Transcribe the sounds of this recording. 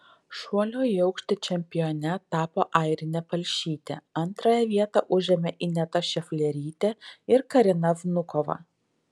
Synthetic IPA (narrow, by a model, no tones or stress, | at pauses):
ʃuɔlʲoːɛʊkʃʲt̪ʲɪt͡ʃʲɛmʲpʲɪjoːnʲɛt̪ɑːpoːʔɐɪɾʲɪnʲɛpɐlʲʃʲiːt̪ʲḛɐnˑt̪ɾɑːjɛʋʲiɛt̪ɑʔʊʒʲɛmʲɛʔɪnʲɛt̪ɐʃʲɛfʲlʲɛɾʲiːt̪ʲeɪɾkɐɾʲɪnɐʋnʊkɔʋɐ̰